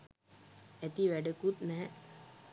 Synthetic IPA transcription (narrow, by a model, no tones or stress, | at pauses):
æt̪iʋæɖəkut̪nɛɦɛ